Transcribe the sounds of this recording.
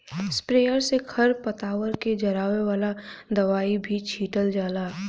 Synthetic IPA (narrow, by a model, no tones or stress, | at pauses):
spɾeːəɾsekʰɐɾpɐt̪aːʋəɾked͡ʒɐɾaːʋeʋaːlad̪ɐʋaːibʱit͡ʃʰiːʈəld͡ʒaːlaː